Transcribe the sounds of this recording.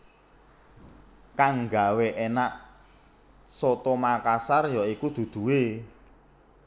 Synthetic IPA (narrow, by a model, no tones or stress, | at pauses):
kaŋɡa̤weʔenaʔ | sɔt̪ɔmakasarjɔikud̪̥ṳd̪̥ṳwe